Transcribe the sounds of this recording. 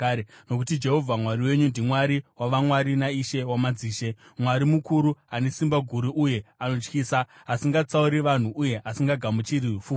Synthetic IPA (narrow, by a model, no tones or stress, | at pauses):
no̞kutid͡ʒe̞ɦo̞vʱamwaɾiwe̞ɲundimwaɾiwaʋamwaɾinaiʃe̞wamad͡ziːʃe̞mwaɾimukuɾuane̞simbaɡʱuɾiʔuje̞ano̞t͡ʃkiːsaːsiŋɡat͡sauɾiʋan̤uʔuje̞ʔasiŋɡaɡʱamut͡ʃiɾifu